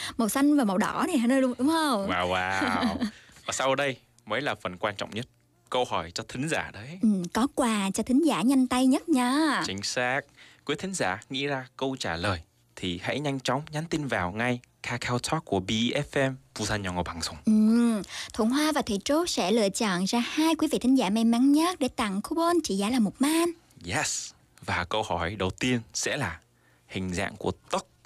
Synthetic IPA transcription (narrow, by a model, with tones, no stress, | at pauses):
ma˨˩wsa˧jŋ̟vaː˨˩ma˨˩wɗɔ̰˧˩ni˨˩haː˧˩nəː˧jɗʊ˨˦ŋ͡mɗʊ˨˦ŋ͡mhə˧wŋ͡mwaː˧˩wwaː˧ | vaː˨˩sa˧wʔəː˧˩ɗə˧j | məː˨˦jlaː˨˩fə˨˩nkwaː˧nt͡ɕɔ̰˧˨wŋ͡mɲə˦˥t̚ | kə˧whɔ˧˩jt͡ɕɔ˧t̪ʰï˨˦ŋ̟zaː˧˩ɗə˨˦jʔɨ˨˩mkɔ˨˦kwaː˨˩t͡ɕɔ˧t̪ʰï˨˦ŋ̟zaː˧˩ɲa˧jŋ̟t̪a˧jɲə˦˥t̚ɲaː˨˧˦t͡ɕï˨˦ŋ̟saː˦˥k̚kːi˨˦ət̪ʰï˨˦ŋ̟zaː˧˩ŋḭ˧˥zaː˧kə˧wt͡ɕaː˧˩ləː˨˩j | t̪ʰi˨˩ha̰˧˥jɲa˧jŋ̟t͡ɕɔ˨˦wŋ͡mɲaː˨˦nt̪i˧nvaː˨˩wŋa˧jkʰaː˧kʰaː˧wt̪ʰɔ˦˥k̚kːu˧˩əɓi˧ʔʔɛ˦˥fʔɛ˧mvu˧zaː˧nɲɔ˨˧˩ŋo˨˩ɓaː˨˩ŋzʊ˨˧˩ŋ͡mʔɨ˨˩mt̪ʰu˧˩əŋɦwaː˧vaː˨˩t̪ʰwḭ˧˨t͡ɕo˨˦˥sɛ̰˧˥lɨ̰˧˨t͡ɕɔ̰˧˨nzaː˧haː˧jkwi˨˦vḭ˧˨t̪ʰï˨˦ŋ̟zaː˧˩ma˧jma˨˦nɲə˦˥t̚ɗe˧˩t̪a̰˧˨ŋkʰu˧˦ɓo˧nt͡ɕḭ˧˩zaː˧˩laː˨˩mo˨˩t̚maː˧n | jɛ˦s | vaː˨˩kə˧whɔ˧˩jɗə˨˩wt̪i˧ənsɛ̰˧˥laː˨˩ | hï˨˩ŋ̟za̰ː˧˨ŋku˧˩ət̪ə˦˥k̚